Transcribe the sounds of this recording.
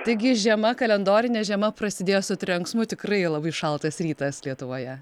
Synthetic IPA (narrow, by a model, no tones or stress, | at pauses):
t̪ɐɪɡʲɪʒʲiɛmɐkɐlʲɛnd̪oːɾʲɪnʲɛʒʲiɛmɐpɾɐsʲɪd̪ʲeːjoːsʊt̪ʲɾʲɛŋksmʊt̪ʲɪkrɐɪlˠɐbɐɪʃɐlˠt̪ɐsɾʲiːt̪ɐslʲiɛt̪ʊʋoːjɛ